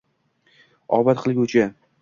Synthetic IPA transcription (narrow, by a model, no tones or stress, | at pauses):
ɒ̰bat̪qʰɨlˠɡʲʊt͡ʃʰa